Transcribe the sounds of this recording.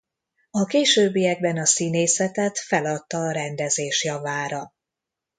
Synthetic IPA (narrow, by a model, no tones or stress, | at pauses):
ɒkeːʃøːbːijɛɡ̚bɛnɒsineːsɛt̪ɛt̪fɛlɒt̪ːɒːɾɛnd̪ɛzeːʃjɒvaːɾɒ